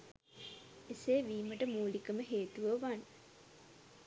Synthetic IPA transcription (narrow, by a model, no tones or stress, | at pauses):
eseːʋiːməʈəmuːlikəməɦeːt̪uʋəʋan